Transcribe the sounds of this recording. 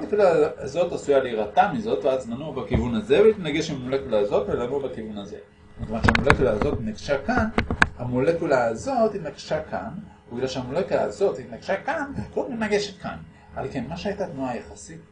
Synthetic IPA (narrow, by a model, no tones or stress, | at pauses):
lekulaːzo̞tasujaleiʁatamizo̞tveazmanubakivunaze̞velit̪naɡeʃemolekulaːzo̞tvelanubakivunaze̞̰ | ekvanʃeamolekulaːzo̞t̪naɡʃakanhamolekulaːzo̞thit̪naɡʃaka̰n | biɡlalʃehamolekula̰ːzo̞tvit̪naɡʃakankomitnaɡe̞ʃet̪ka̰n | alke̞nmaʃehajtat̪nuajaχasit